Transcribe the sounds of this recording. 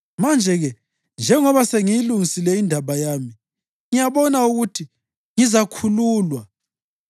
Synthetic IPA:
mand͡ʒʱɛɣɛ | nd͡ʒʱɛŋɔβaseŋijiluŋisilɛindʱaβajaːmi | ŋijaβɔnauɣutʰi | ŋizakʰuluːlwa

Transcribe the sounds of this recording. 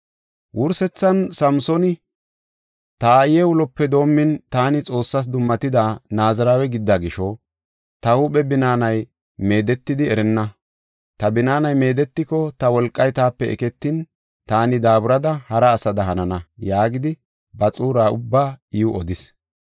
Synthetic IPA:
wʔʊɾsɛt͡sːɐnsɐmsɔnɪ | t̪aːjɛwʊlɔpːɛd̪o̞ːmːɪnt̪aːnɪt͡sʼo̞ːsːɐs̬d̪ʊmːɐt̪ɪd̪aːnaːzɐɾaːwɛɡɪd̪ːaɡɪʃɔ | t̪ɐhuɓɛbɪnaːnɐj | me̞ːd̪ɛt̪ːɪd̪ɪɛɾɛnːɐ | t̪ɐbɪnaːnɐjme̞ːd̪ɛt̪ːɪkɔt̪ɐwɔlkʼːɐjt̪aːpːɛʔɛ̰kɛt̪ːɪn | t̪aːnɪd̪aːbʊɾɐd̪ɐhɐɾɐːsɐd̪ɐɦɐnɐnɐjaːɡɪd̪ɪ | bɐt͡sʼuːɾaːʊbːaːiʊʔɔd̪ɪs

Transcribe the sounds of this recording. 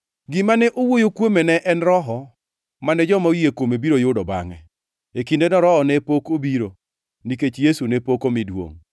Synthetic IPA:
ɡɪmanɛʔowojokwomenɛʔɛnɾɔɦɔ | manɛd͡ʒɔmaujekomebiɾojʊdɔba̰ŋɛ | ekindenɔɾɔɦɔnɛpokobiɾo | niket͡ʃjesunɛpokomɪdwo̰ŋ

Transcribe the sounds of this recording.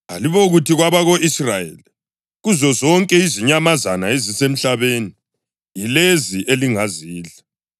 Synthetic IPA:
a̰liβɔɣutiɣwaβaɣoʔisrajḛli | ɣuzɔzɔŋkʼɛiziɲamazanaezisem̩ɬaβeni | jileziʔeliŋaziːɮa

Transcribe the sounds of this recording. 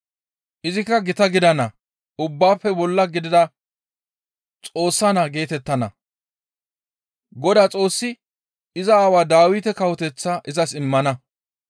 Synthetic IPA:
ʔɪzɪkːɐɡɪt̪ɐɡɪd̪ɐnɐ | ʊbːaːpːɛbɔlːɐɡɪd̪ɪd̪ɐ | t͡sʼo̞ːsːanaɡe̞ːt̪ɛt̪ːɐnɐ̰ | ɡɔd̪aːt͡sʼo̞ːsːɪ | ɪzɐaːwaːd̪aːwɪt̪ɛkɐwɔt̪ɛt͡sːaʔɪzɐsɪmːɐnɐ

